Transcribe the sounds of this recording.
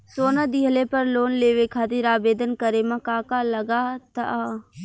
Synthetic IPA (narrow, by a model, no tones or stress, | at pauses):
soːnad̪iɦlepɐɾloːnleːʋekʰaːt̪iɾaːbeːd̪ənkəɾemãkaːkalɐɡaːt̪aʔa